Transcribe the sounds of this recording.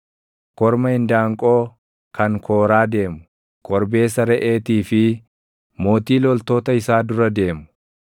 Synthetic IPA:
kɔɾmɐhɪnd̪aːŋkʼo̞ː | kʰɐŋkʰo̞ːɾaːd̪e̞ːmʊ | kʼɔɾbe̞ːsɐɾɛʔe̞ːt̪iːfɪ | mo̞ːt̪iːlɔlt̪o̞ːt̪ɐɪsaːd̪ʊɾɐd̪e̞ːmʊ̥

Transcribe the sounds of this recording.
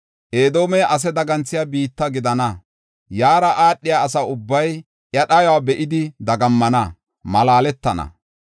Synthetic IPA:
ʔeːd̪o̞ːmɛjʔɐs̬ɛd̪ɐɡɐnt͡sːɪjabiːt̪ːɐɡɪd̪ɐnɐ | jaːɾɐʔaːɗːɪjaːsɐʊbːɐj | ʔjɐɗɐjwaːbɛʔɪd̪ɪd̪ɐɡɐmːɐnɐ | mɐlaːlɛt̪ːɐnɐ̰

